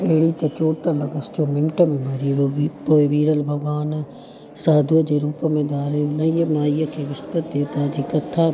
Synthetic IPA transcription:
eːɽit̪ɐt͡ʃoːʈəlɐɡəst͡ʃomɪmʈəmẽmɐɾipoːeʋiːɾəlbʱɐɡaːn | saːd̪əd͡ʒeːɾuːpəmẽd̪aːɾenɐijmaːijəkʰeʋɪspət̪d̪eːt̪aːd͡ʒikɐt̪ʰːa

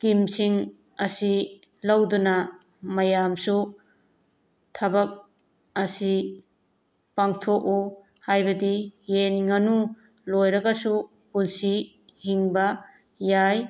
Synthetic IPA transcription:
kimsiŋ | ɐsi | lɐwdunɐ | mɐjamsu | tʰɐbɐk̚ | ɐsi | paŋtʰoku | hajbɐdijenŋɐnu | lojɾɐɡɐsu | punsi | hiŋbɐ | jaj

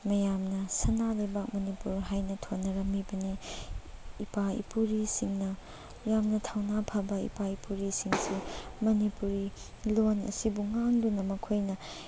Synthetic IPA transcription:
mɐjamnɐsɐnalɐjbak̚mɐnipuɾɦajnɐtʰonːɐɾɐmibɐniː | paḭpuɾisiŋnɐ | jamnɐtʰawnapʰabɐḭpaipuɾisiŋsimɐnipuɾi | lonɐ̰sibuŋaŋdunɐmɐkʰojnɐ

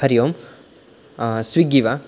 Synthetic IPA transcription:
ɐɾijoːm | sʋiɡiʋa

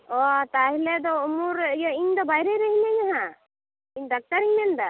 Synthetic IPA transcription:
ɔt̪aɦlɛd̪ɔumuɾjɔiɲd̪ɔbajɾɛɾɛɦiɲaɲaɦã | iɲd̪ak̚t̪aɾiɲnɛnd̪a

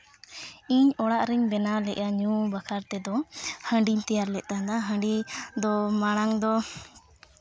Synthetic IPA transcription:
iɲɔɽaʔɾiɲbɛnalɛʔaɲubakʰaɾt̪ɛd̪ɔhə̃ɳɖiɲt̪ɛjaɾlɛʔ̚t̪aɦad̪aɦə̃ɳɖid̪ɔmaɽ̃aŋd̪ɔ

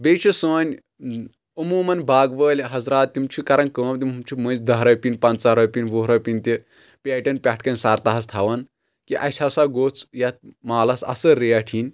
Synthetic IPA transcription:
beːt͡ʃʰusəːnʲ | umuːmɐnbaːɡʋəːlʲɦɐzɾaːt̪̚ːimt͡ʃʰukɐɾɐnkəːmt̪imumt͡ʃʰumənzd̪ɐɦɾɐpʲinʲpɐ̃nt͡saɦɾɐpʲinʲʋoːɦɾɐpʲinʲt̪ʲi | pʲaːʈʲɐnpʲaʈʰkɐnʲsaːɾt̪ɐɦɐst̪ʰaʋɐn | kiʔɐ̰sʲʰasaɡoːt͡sjɐt̪̚maːlɐsɐ̰sɐɾeɐʈʰinʲ

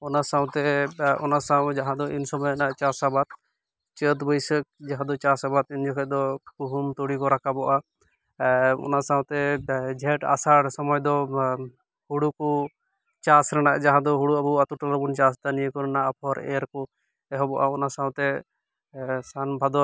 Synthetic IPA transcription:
ɔnasaw̃t̪ɛɔ̰nasaw̃d͡ʒaɦãd̪ɔʔinsɔmɔjɛnaʔt͡ʃasabat̪̚ | t͡ʃət̪bəjsək̚d͡ʒaɦãd̪ɔt͡ʃasabat̪ind͡ʒɔkʰɛd̪ɔkuɦumt̪ɔɽikɔɾakabɔʔa | ɔ̰nasaw̃t̪ɛd͡ʒʱɛʈa̰saɾsɔmɔjd̪ɔ | huɽukɔ | t͡ʃasɾɛnaʔd͡ʒaɦãd̪ɔɦuɽuabuat̪uʈalɾɔbunt͡ʃast̪anijəkɔɾɛnaʔapʰɔɾɛ̰ɾkɔ | ɛɦɔbɔʔa̰ɔnasaw̃t̪ɛ | sanbʱad̪ɔ

